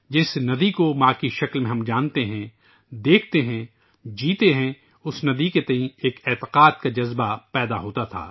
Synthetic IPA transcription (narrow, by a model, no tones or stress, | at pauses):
d͡ʒɪsnɐd̪ikomaːkiʃɐklmẽɦɐmd͡ʒãːnt̪eɦɛ̃ | d̪eːk̚ʰt̪eɦɛ̃ | d͡ʒiːt̪eɦɛ̃ | ʊsnɐd̪iket̪ɐɦĩeːkeːt̪ɪ̥qaːt̪̚kad͡ʒɐzbapɛːd̪aɦoːt̪at̪ʰa̰ː